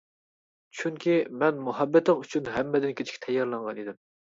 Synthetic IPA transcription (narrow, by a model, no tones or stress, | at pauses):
t͡ʃʰyŋkʲimɛnmoɦɑbːɛt̪əŋyt͡ʃʰynɦæmːɛd̪ɪnkʲʰet͡ʃʰi̥kʲt̪ʰɛjːɑɾlˠɑŋʁɑnid̪ɪm